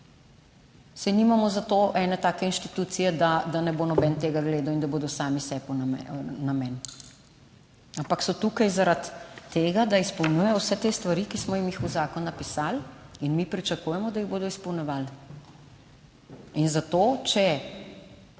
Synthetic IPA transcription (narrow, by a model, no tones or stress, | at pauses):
sɛnimamɔzat̪oʔɛnɛt̪aːkɛinʃt̪i̥t̪uːt̪sijɛd̪ad̪anɛbonɔbɛnt̪eːɡaɡleːd̪awind̪aboːd̪ɔsaːmisɛpɔnnamɛn | ampaksɔt̪ukajzaɾat̪ːeːɡad̪aispɔwnjujɛjɔwsɛt̪eːst̪ʋaɾikismɔjimjixuzaːkɔnːɐpisaːlinmipɾit͡ʃakujɛmɔd̪ajiɣboːd̪ɔispɔwnjɔʋaːl | inzat̪ot͡ʃɛ